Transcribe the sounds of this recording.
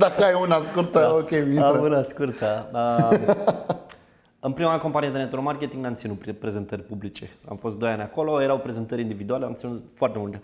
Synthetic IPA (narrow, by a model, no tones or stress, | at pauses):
d̪akəajunaskuɾt̪aokʲeviiunaskurt̪aə | ɨnpɾimaanko̞mpanint̪enet̪uɾomarkʲe̞t̪iŋɡnamt̪sinuppɾe̞ze̞nt̪ərʲpublit͡ʃe̞a̰mfo̞st̪d̪o̞janʲako̞lo̞je̞ɾawpɾe̞ze̞nt̪əɾʲind̪ivid̪ualeamt̪sinut̪foart̪e̞mult̪e̞